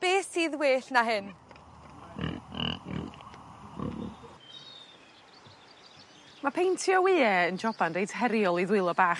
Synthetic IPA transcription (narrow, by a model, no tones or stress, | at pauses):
b̥eːsiːðweːɬnaɦɪn | mapʰejntʰjɔwɪːɛənd͡ʒɔbandejdɦɛɾjɔlˠiðwɪlˠɔbaːχ